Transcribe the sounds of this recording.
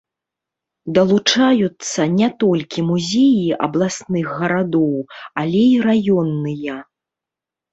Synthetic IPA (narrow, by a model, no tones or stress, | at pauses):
d̪ɐlˠut͡ʂajut̪sːɐnʲɛt̪ɔlʲkʲimuzʲejiʔɐ̰blˠasnɨɣːɐɾad̪ɔwalʲɛiɾajɔnːɨjɐ